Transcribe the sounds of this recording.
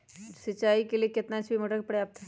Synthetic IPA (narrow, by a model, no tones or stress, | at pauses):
sɐt͡ʃːaːikeliekɪt̪nat͡ʃʰbʱimɐʈək̚pɐɽeaːp̚